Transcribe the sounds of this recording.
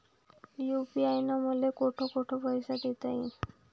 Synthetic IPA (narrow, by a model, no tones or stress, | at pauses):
jupiajnɔmolekoʈʰokoʈʰopɔjsaʈet̪aĩ